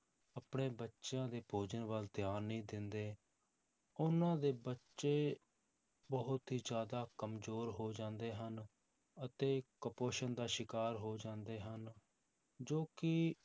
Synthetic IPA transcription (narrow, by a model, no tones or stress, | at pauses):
əpɳeːbətːʃjãːd̪eːbʰʱoːd͡ʒənʋəlt̪ɪjaːnĩːd̪ɪnd̪eː | ʊnãːd̪eːbətːʃeː | bəɦʊt̪ɦiːzjaːd̪aːkəmzoːɾɦoːd͡ʒãːnd̪eːɦən | ət̪eːkəpoːʃənd̪aːʃɪkaːɾɦoːd͡ʒãːnd̪eːɦən | d͡ʒoːkɪ